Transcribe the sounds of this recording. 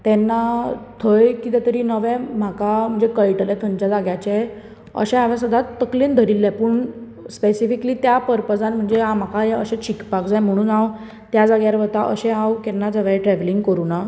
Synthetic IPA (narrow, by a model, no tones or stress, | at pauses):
t̪ɛnːat̪ʰəjkiːt̪ɛt̪əɾiːnəʋɛ̃m̤akam̤əɳd͡zekəjʈlɛ̃t̪ʰəɲt͡ɕad͡zaɡjat͡ɕ | ə̰ɕɛ̃aʋɛ̃səd̪ʱat̪ːəklend̪ʱəɾilːɛpəɳ | spesifikliːt̪japəɾpəd͡zãnm̤əɳd͡zeãm̤akaeəɕɛ̃t͡ɕikpakd͡zajm̤əɽ̃uːnaw | t̪jad͡zaɡjaɾʋət̪aʔə̰ɕɛ̃awkɛnːad͡zəʋɛ̃ʈɾɛʋliŋɡkəɾuna